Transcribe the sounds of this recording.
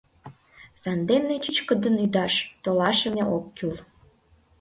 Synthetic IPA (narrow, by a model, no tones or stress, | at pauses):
sɑnd̪emnet͡ɕyt͡ɕkə̆d̪ənyd̪ɑʃt̪olɑʃəmeʔokːyl